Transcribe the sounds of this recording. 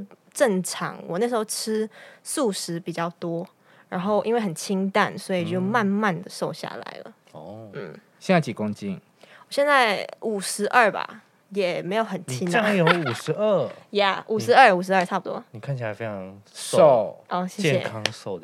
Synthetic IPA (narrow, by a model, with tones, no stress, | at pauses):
ʈ͡ʂə˥˩ŋʈ͡ʂʰɑ̰˧˥ŋwɔ˨na˥˩ʂɻ̩˧˥xo˥˩ʊʈ͡ʂʰɻ̩˥su˥˨˩ʂɻ̩˧˥pi˨˩t͡ɕjɑ˥˩ʊt̪wɔ˦˥ | ɻa˧˥nxo˥˩ʊʔḭ˥nwe˥˩ɪxə˨˩nt͡ɕʰi˥ŋt̪a̰˥˨nswɔ˧˥i˨˩t͡ɕo˥˩ʊma˥˧nma˥˨nd̪ə˨ʂo˥˧ʊɕja̰˥˩la̰˨˧˦ɪlə̰˦ | ɔ˧˩n̩˥˩ | ɕjɛ˥˧na˥˩t͡ɕi˨˩kʊ˥ŋt͡ɕi˥˩n | wɔ˨˩ɕjɛ˥˧nt͡sa˥˩ɪu˨˩ʂɻ̩˧˥ʔə˞˥˩ba̰˨˩ | jɛ˨˩me˧˥ɪjo˨˧˦ʊxə˨˩nt͡ɕʰi˥n˥˨a˧˥jo˧˦ʊu˨˩ʂɻ̩˧˦ə˥˩ja˥˨˩ʔu˨˩ʂɻ̩˧˦ə˥˩u˨˩ʂ̬̩˧˦ə˞˥˧ʈ͡ʂʰa˥˩pu˩t̪wɔ̰˦ni˨˩kʰa˥nt͡ɕʰla˧˥ɪfe˦ɪʈ͡ʂʰɑ˧˦ŋso˥˨ʔɔ˥˧˩ɕjɛ˥˩t͡ɕjɛɕjɛ̰˨kʰɑ˦ŋso˥˩ʊ